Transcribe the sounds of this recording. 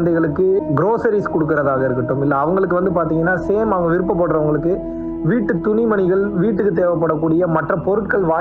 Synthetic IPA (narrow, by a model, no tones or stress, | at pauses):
nd̪ɐɣɐɭɯkːɯɡɾoːsɐɾiskɔɽɯk̬ːɯɪɾɐðaːɣɐɪɾɯkːɐʈːɯmɪlːɐːʋɐŋɡɐɭɯkːɯʋɐnd̪ɯpaːɾt̪iːŋɡɐnːaːseːmɐʋɐŋɡɐʋɪɾɯp̬ːɐpːɐɽɾɐʋɐŋɡɐɭɯkːɯ | ʋiːʈːɯt̪ʊnɪmɐɳɪɣɐɭʋiːʈ̬ːɯkːɯt̪̬eːʋɐp̬ːɐɽɐkːuːɽɪjɐmɐʈrɐpɔɾɯʈkɐɭʋaː